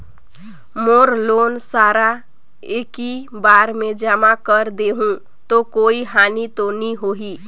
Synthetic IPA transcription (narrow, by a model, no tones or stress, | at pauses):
moːɾloːnsaːɾa | eːkibaɾmẽd͡ʒəmakəɾd̪eɦũ | t̪okoiɦanit̪oniɦoɦi